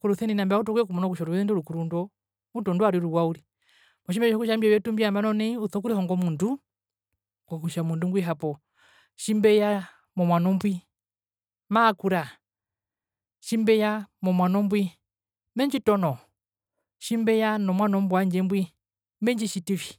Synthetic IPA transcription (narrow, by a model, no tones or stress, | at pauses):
kuɾuθɛninambutɔkwɛkumɔnɔkuʃɔɾuwɛɛndɔɾukuɾundɔ | mutɔnduaɾiɾuwauɾi | mɔʃ̬imbɛɔkuʃambɛwɛtumbiambanɔnɛuθɔkuɾihɔŋɡɔmundu | kɔkuʃamundumɡwiɦapɔ | ʃimbɛja | mɔmwanɔmbwi | maːkuɾa | ʃimbɛjamɔmwanɔmbwi | mɛɲd͡ʒitɔnɔ | ʃimbɛjanɔmwanɔmbwaɲd͡ʒɛmbwi | mɛɲd͡ʒiʃitifi̥